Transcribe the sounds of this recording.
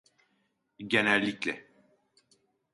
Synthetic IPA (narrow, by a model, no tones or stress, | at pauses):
ɟe̞nælʲːiclʲɛ